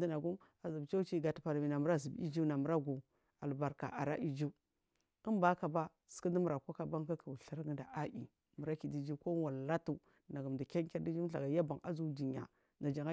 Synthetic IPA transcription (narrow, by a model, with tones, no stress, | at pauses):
di˦na˨ɡu˦m | a˨zi˨bt͡ʃa˦t͡ʃi˦ɡa˨tpa˨ɾmi˨na˨mu˦ɾa˦zi˨bḭ˦d͡ʒu˦na˨mu˨ɾa˦ɡu˨ | a˨lba˨ɾka̰˨ʔa˨ɾa̰˦ʔi˦d͡ʒu˦ | ə˦mba˦ka˨ba˦ | sə̥˨ka˦di˦mu˨ɾa˨ko˦ka˨ba˦ŋka˦ki˨ɬa˦ɾɡə˦nda˨ʔa˦ʔḭ˨ | mu˨ɾa˦ki˨di˦d͡ʒi˦ko˦wa˨lla˦tu˦ | na˨ɡu˨m˨da˨kʲa˦ŋkʲa˦ɾdi˦d͡ʒi˦ɬa̰˨ɡa˨ja˦ba˨ŋa̰˦zu˦di˨ɲa̰˨ | na˨d͡ʒa˨ŋa˦